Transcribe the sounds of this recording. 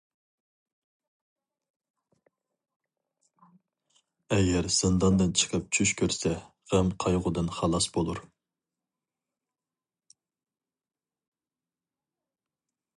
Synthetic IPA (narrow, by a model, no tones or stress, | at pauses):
ɛɡʲɛɾsɨnd̪ɑnd̪ɨnt͡ʃʰə̥qʰəp̚t͡ʃʰyʃkʲʰøɾsɛ | ʁæmqʰɑjʁʊd̪ɨnχɑlˠɑsbolˠuɾ